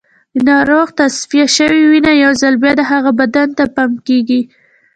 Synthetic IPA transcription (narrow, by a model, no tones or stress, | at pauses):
ənɑɾoɣt̪asfijaʃəwiwinajawzalbjɑd̪əɦaɣabad̪ant̪apamkeɡi